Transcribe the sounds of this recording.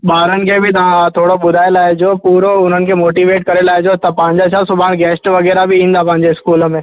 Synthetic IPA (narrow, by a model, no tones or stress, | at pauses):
ɓaːɾənɪ̆kʰeːbʱɪt̪ɐʋ̤ãt̪ʰoːɽoɓʊd̪ʱaːelaːɪd͡ʑopuːɾoʊn̤ənɪ̆kʰeːmoːʈiːʋeːʈkɐɾelaːɪd͡ʑot̪ɐpɐ̃ɦɪ̃ɲd͡ʑat͡ɕʰasʊbʱaːɽ̃ɡɛːsʈʋɐɣɛːɾabʱɪĩːn̆d̪apɐ̃ɦɪ̃ɲd͡ʑeɪskuːlə̆mẽː